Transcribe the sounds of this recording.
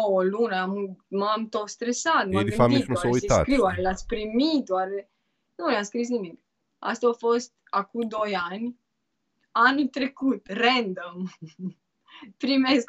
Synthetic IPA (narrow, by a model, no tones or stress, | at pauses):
oolunəammamt̪ot̪st̪ɾesat̪maiait̪aesakɾiwaɾelat̪sʲpɾimit̪̚waɾe | nunaskɾis̬nimik | a̰st̪aofost̪̚akud̪o̞janʲ | anult̪ɾekut̪rɛnd̪om | pɾimesk